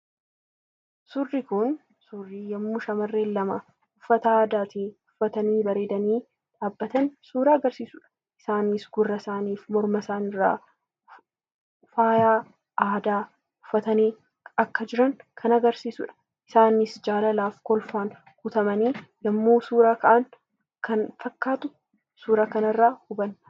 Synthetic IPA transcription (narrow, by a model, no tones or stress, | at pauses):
sʊrːɪkʊn | sʊrːiːjɐmːʊʃɐmɐrːeːlːɐmɐ | ʊfːɐt̪ɐaːd̪aːt̪iʊfːɐt̪ɐniːbɐɾeːd̪ɐniː | ᶑaːbːɐt̪ɐnsuːɾaːɡɐɾsiːsʊᶑɐ̥ | ʔɪsaːnɪsɡʊrːɐsaːniːfmɔɾmɐsaːnɪrːa̰ː | faːjaː | ʔaːd̪aː | ʊfːɐt̪ɐniː | ɐkːɐd͡ʒɪɾɐŋkʰɐnɐɡɐɾsiːsʊᶑɐ̥ | ʔɪsaːnɪsd͡ʒaːlɐlaːfkɔlfaːn | hʊt̪ɐmɐniːjɐmːoːsuːɾaːkɐʔɐn | kʰɐnfɐkːaːt̪ʊ | suːɾɐkɐnɐrːaːhʊbɐn